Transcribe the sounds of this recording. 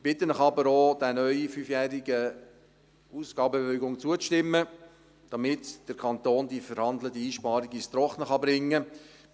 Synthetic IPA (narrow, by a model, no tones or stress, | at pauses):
b̥ɪt̪ənəχɑbəɾoːd̪ænœʏifyːfjæːɾiɡə | uːsɡ̥ɑːbəevɛʏɡʊŋt͡suət͡sʃtɪmːə | d̥ɑmɪtd̥əɾkʰɑnt̪oːndifəɾhɑnd̪lətəiːʃpɑːɾiɡɪst̪ɾɔχnəχɑbɾɪŋːə